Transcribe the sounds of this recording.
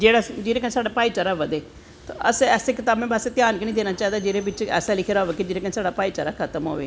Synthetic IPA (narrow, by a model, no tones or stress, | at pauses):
d͡ʒeːɽaːd͡ʒeːɾeːkənsaːɖaːpaːit͡ʃaːɾaːʋəd̪eː | t̪oə̰sɛːseːkɪt̪aːbmẽːbaːset̪jaːnknĩːd̪eːnaːt͡ʃaːid̪aːd͡ʒeːɾeːbɪt͡ʃɛ̰ːsaːlɪkʰeɾaoːʋeːkid͡ʒeːɾeːkənsaːɖaːpaːiːt͡ʃa̰ːɾaːkʰət̪əmɦo̰ːʋḛː